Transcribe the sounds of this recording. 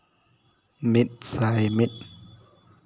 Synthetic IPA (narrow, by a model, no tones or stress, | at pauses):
mit̪̚sajmit̪̚